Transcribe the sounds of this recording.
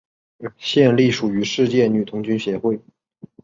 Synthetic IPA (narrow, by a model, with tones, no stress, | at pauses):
ɕjɛ˥˧nli˥˩ʂu˨˩y˧˥ʂɻ̩˥˧t͡ɕjɛ˥˩ny˨˩t̪ʰʊ˧˥ŋt͡ɕy˥nɕjɛ˧˥xwe˥˩ɪ